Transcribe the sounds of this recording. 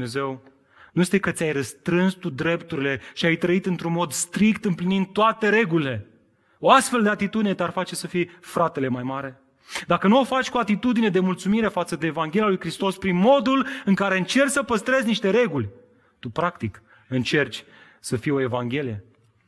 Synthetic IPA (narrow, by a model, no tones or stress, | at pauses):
eze̞w | nuje̞st̪ekət̪sʲajɾəst̪ɾɨnst̪ud̪ɾe̞pt̪uɾile̞ʃiajt̪ɾəit̪ɨnt̪ɾunmo̞d̪st̪ɾikt̪ɨmplinind̪̚t̪ːoat̪e̞ɾe̞ɡulile̞ | o̞ast̪fe̞ld̪e̞at̪it̪ud̪inet̪earfat͡ʃe̞səfijfɾat̪e̞le̞majmaɾe̞ | d̪akənuo̞fat͡ʃʲkuat̪it̪ud̪ine̞d̪e̞mult̪sumiɾe̞fat̪səd̪e̞ːvaŋɡʲe̞lijalujkɾist̪o̞spɾinmo̞d̪ulɨŋkaɾe̞ɨnt͡ʃe̞rt͡ʃʲsəpəst̪ɾe̞zʲniʃt̪e̞ɾe̞ɡulʲ | t̪upɾakt̪ik | ɨnt͡ʃe̞rt͡ʃʲ | səfijeo̞e̞vaŋɡʲe̞lije̞